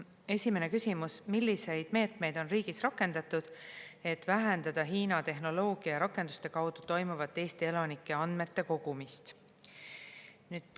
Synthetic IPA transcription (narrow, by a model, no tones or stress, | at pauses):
e̞sʲime̞ne̞kysʲimusmilʲːise̞jd̪̥me̞ːt̪me̞jd̪̥o̞nriːɡ̥isrɑkːˑe̞nd̪ɑt̪ːˑud̪̥e̞t̪ːˑvæɦend̪̥ɑd̪̥ɑɦiːnɑt̪e̞ɦno̞lo̞ːɡ̥iɑjɑɾɑkːˑe̞nd̪u̥st̪e̞kɑwd̪̥ut̪o̞jmuvɑt̪ːe̞ːsʲt̪ie̞lɑnikːˑe̞ɑnd̪me̞t̪ːe̞ko̞ɡ̥umist̪ | nyːd̪̥